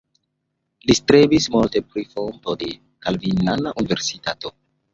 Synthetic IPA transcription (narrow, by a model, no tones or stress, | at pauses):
listɾebismulte̞pɾifontode | kalvinanaʔunive̞ɾsitato